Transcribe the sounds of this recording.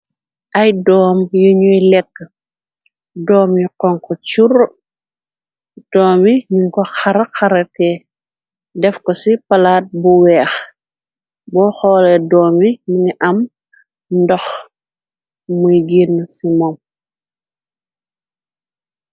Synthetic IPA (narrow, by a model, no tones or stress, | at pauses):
ʔɐjdɔːmjuɲujlɛkːə | dɔːmjuqɔŋkɔt͡ʃur | d̥ɔːmiɲuŋkɔxɐɾxɐɾɐtɛ | dɛfkɔsipɐlaːt̚buwɛːx | bɔːxɔːlɛdɔːmiɲiŋiʔɐm | ndɔx | mujɡinːsimɔm